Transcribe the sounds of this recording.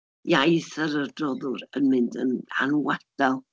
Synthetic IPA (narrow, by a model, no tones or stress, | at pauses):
jaiθəɾərd̥rɔðʊɾə̰nmɪndə̰na̰nwad̥alˠ